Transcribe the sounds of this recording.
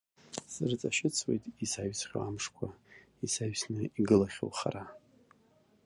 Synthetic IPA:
sɨrt͡sʼaʃɪt͡sʰwḛjtʼisaɥsʰχʲo̰amʂkʷʰa | isaɥsnɨiɡɨlaχʲo̰lχa̰ra

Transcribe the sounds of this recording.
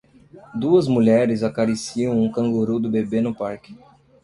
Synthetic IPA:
d̪uɐzmuʎɛɾɪzakaɾesiɐ̃w̃ũkɐ̃ŋɡoɾud̪ʊbebenʊpaɾkɪ

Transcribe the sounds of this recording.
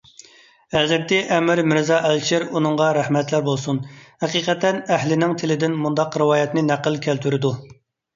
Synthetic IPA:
æzɪɾt̪ɪʔɛmɾmɪɾzɑʔælt͡ʃʰɪɾunɨŋʁɑɾæhmɛt̪læɾbolˠsunhæqiːqʰɛt̪ːɛnæhlɪnɪŋt̪ʰɪlɪd̪ɪnmund̪ɑqɾɨwɑːjɛt̪nɪnæqəlˠkʲʰælt̪ʰyɾɪd̪u

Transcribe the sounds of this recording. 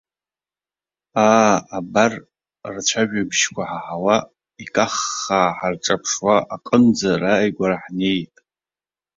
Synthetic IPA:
aːbar | rt͡ʃʷʰaʒᶣabʃkʷʰaħaħawa | ikʼaχːaːħarʈ͡ʂʼapʰʂwaʔakʼənd͡zarajɡʷaɾaħnejtʼ

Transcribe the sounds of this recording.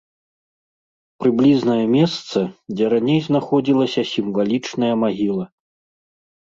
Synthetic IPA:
pɾɨblʲiznɐjɐmʲɛst̪sɐd͡zʲɛɾanʲejznaxɔd͡zʲilˠɐsʲɐsʲimvalʲit͡ʂnɐjɐmaɣʲilˠɐ

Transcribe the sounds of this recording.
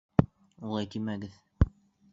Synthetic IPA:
ulˠɑjt̪imæɡɘð

